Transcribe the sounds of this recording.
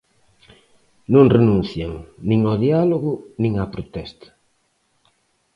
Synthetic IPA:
nõŋrenũn̟θjaŋnĩŋɔðialoɣʊnĩŋapɾot̪ɛst̪ɐ̥

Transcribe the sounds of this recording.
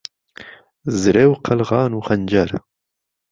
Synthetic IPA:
zɨɾewqʰɐlʁɑːnuːxɐnd͡ʒɐɾ

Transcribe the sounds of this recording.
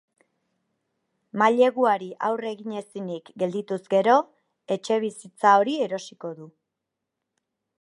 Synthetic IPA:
maʎe̞ɣuaɾiʔawre̞ɣiɲe̞sinikɡe̞ld̪it̪uzɡe̞ɾo̞ | e̞t͡ʃe̞β̞isit͡sao̞ɾie̞ɾo̞siko̞ðu

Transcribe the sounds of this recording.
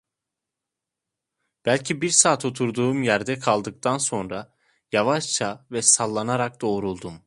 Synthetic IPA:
b̥ælʲcʰibiɾsaːt̪ʰo̞t̪ʰuɾd̪uːmjæɾd̪ɛkʰalˠd̪ɯk̚t̪ʰanso̞nɾa | javaʃt͡ʃʰavɛsalˠːanaɾak̚d̪o̞ːɾulˠd̪um

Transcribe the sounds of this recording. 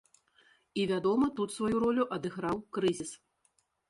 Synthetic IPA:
ivʲad̪ɔmɐt̪ut̪svajuɾɔlʲuʔɐd̪ɨɣɾawkɾɨzʲis

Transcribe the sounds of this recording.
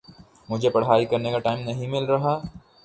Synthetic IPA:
mʊd͡ʒʱepɐɽɦaːikɐɾnekaʈaːɪmnɐɦĩmɪlɾɐɦaː

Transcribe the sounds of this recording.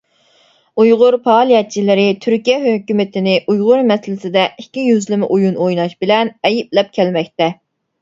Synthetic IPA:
ujʁʊɾpɑːlˠijɛt͡ʃʰilɪɾɪt̪ʰyɾkʲijɛɦøkʲymɪt̪ʰɪnɪʔujʁʊɾmɛsɪlɪsɪd̪ɛikʲːijyzlɪmɪʔujunojnɑʃbɪlɛnɛjiplɛp̚kʲʰɛlmɛkʲt̪ɛ

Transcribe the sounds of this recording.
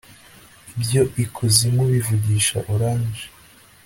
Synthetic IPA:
bjo̞ʔikʰuzimɡoβivuɟiːʃa̰ʔuɾaːnd͡ʒe̥

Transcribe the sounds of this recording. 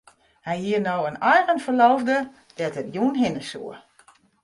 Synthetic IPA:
hɛjhiənoːənɔjɣənfəlɔwvdə | d̥ɛtətjuːnɦɪnəsṵə

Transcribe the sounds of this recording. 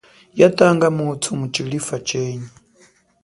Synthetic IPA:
jatʼaŋɡamutʰumut͡ʃilifat͡ʃɛːɲɛ

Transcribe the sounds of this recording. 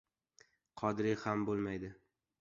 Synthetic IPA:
qʰɒd̪ɾɪhambolˠmajd̪ɪ

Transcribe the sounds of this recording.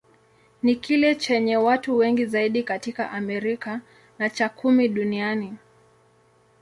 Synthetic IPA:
nikilɛt͡ʃɛɲɛwatuwɛŋɡizaiɗikatika̰ʔamɛɾika | nat͡ʃakʰumiɗuniani

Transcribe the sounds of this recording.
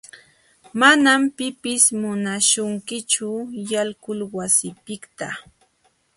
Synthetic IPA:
manampɪpɪsmʊnaʃʊŋkɪt͡ʃʊjalkʊlwasɪpɪkt̪a

